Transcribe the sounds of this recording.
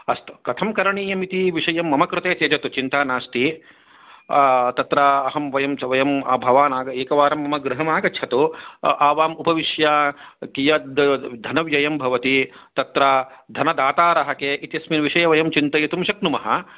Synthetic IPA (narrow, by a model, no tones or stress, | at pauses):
ɐst̪u̥kɐt̪ʰɐmkɐɾɐɳiːjɐmit̪iʋiʂɐjɐmːɐmɐkɾut̪eːt̪eːd͡ʒɐt̪ut͡ʃint̪aːnaːst̪i | t̪ɐt̪ɾaːɐɦɐmʋɐjɐmɐʋɐjɐmɐbʱɐʋaːnaːɡɐeːkɐʋaːɾɐmːɐmɐɡɾɪɦɐmaːɡɐɐt̪uʔaːʋaːmupɐʋiʃjaːkijɐd̪ʱɐnɐʋjɐjɐmbʱɐʋɐt̪i | t̪ɐt̪ɾaːd̪ʱɐnɐd̪aːt̪aːɾɐɦɐkeːʔit̪ijɐsminʋiʃɐjɐʋɐjɐmt͡ʃint̪ɐjɐt̪umʃɐknumɐɦɐ̰